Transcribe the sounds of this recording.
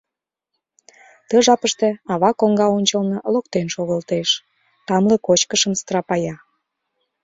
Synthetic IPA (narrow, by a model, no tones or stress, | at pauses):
t̪əʒɑpəʃt̪eɑβɑkoŋɡɑonʲt͡ɕəlnɤlokt̪enʃoɣəlt̪eʃ | t̪ɑmlekot͡ɕkəʃəmst̪rɑpɑjɑ